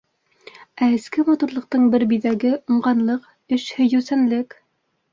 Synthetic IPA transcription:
æɘ̆skɘmɑt̪uɾlˠɤ̆q̚t̪ɤɴbɘɾbiðæɡɘŭɴʁɑnlˠɤq | ɘʃhɵ̆jɵ̆wsænlɘk

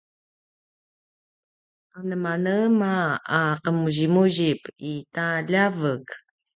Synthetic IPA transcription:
anəmanəmaaqəmuʑimuʑipitaʎavək

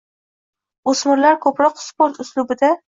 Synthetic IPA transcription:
osmɪɾlaɾkʰɵpɾɒqspoɾt̪ʊslʊbɪd̪a

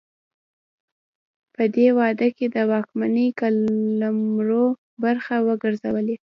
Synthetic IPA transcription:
pəd̪ewɑd̪əked̪əwɑkmanəjkalamɾo | baɾxawəɡəɾzawəle

